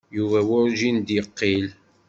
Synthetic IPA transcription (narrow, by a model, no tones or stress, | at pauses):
juvæwʊɾʒind̪jəqːil